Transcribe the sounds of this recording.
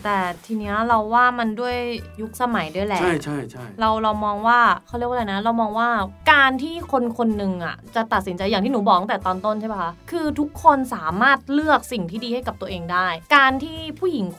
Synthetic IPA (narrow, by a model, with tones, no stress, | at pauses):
t̪ɛː˨˩t̪ʰiː˧ni˦˥ɐɾa˧wːaː˥˩ma˧ndu˥˩əjju˦˥k̚sa˧ma˩˦jdu˥˩ə˨jlɛː˦a˦˥˩jt͡ɕʰa˥˩jt͡ɕʰa˥˩jɾa˧wɾa˧wmɔː˧ŋwaː˥˩kʰa˥˩wɾi˥˩kʰːla˧˩jna˦˥ɾa˧wmɔː˧ŋwaː˥˩kaː˧nt̪ʰiː˥˩kʰo˧nkʰo˧nːɯ˧ŋʔa̰˨˩t͡ɕa˨˩t̪a˨˩t̪̚si˩˦nt͡ɕa˧jːaː˨˩t̪ʰiː˥˩nuː˩˦˩bɔː˨˩˦ŋt̪ɛː˨˩t̪ɔː˧nt̪o˥˩nt͡ɕʰa˥˩ma˦˩kʰa˦˥kʰɯː˧t̪ʰu˦˥kʰːo˧nsaː˩˦maː˥˩t̪̚lɯ˥˩ək̚si˨˩ŋt̪ʰiː˥˩diː˧ha˥˩jka˨˩p̚t̪u˧əʔeː˧ŋdaː˥˩jkaː˧nt̪ʰiː˥˩pʰuː˥˩ji˩˦ŋ